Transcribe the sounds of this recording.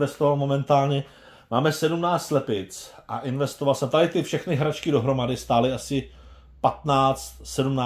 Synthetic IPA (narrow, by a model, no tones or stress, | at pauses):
vɛst̪ovalmo̞mɛnt̪aːlɲɛ | maːmɛsɛdumnaːt͡slɛpɪt͡sʔa̰ʔɪnvɛst̪o̞valsɛmt̪adɪt̪ɪfʃɛxnɪɦɾat͡ʃkɪdo̞ɦɾo̞madɪst̪aːlɪasɪ | pat̪naːt͡st̪sɛdumnaː